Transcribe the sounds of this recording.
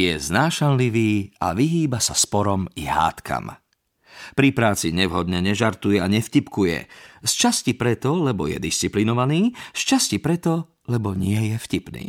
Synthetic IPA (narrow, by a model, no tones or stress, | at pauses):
jɛznaːʃanliʋiːa̰ʋiɦiːbasaspɔɾɔmiɦa̰ːt̪kʰa̰m | pɾipɾaːt͡siɲɛʋɦɔd̪ɲɛɲɛʒaɾt̪ujɛaɲɛfcipkujɛ̰st͡ʃascipɾɛt̪ɔlɛbɔjɛ̰d̪ist͡siplinɔʋaniːst͡ʃascipɾɛt̪ɔ | lɛbɔɲɪɛjɛfcipnḭː